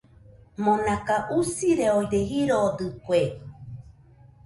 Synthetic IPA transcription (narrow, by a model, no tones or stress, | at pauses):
mõnãkaʔusiɾeojɾeɦiɾod̪ɨkwe